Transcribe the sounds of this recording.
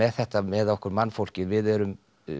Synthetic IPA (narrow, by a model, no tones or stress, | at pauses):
ɛðθɛht̪amɛðɔhkʏɾmanːfowl̥cɪðvɪðɛɾʏm